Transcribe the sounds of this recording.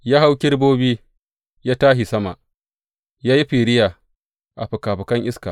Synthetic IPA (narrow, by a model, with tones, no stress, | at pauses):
jaː˦ɦa˦wkʲɪ˦ɽboː˦biː˦ | jaː˦taː˦ɦi˨sɐ˦ma˨ʔ | jaː˦ji˦ɸi˨ɾɪ˦jaː˨ | ʔa˨ɸʊ˨kaː˨ɸʊ˨kɐ˦ŋʔɪ˦ska̰˨